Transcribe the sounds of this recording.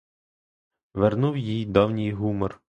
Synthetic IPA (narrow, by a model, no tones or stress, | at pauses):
ʋernuwjijd̪ɔwnʲijɦumɔr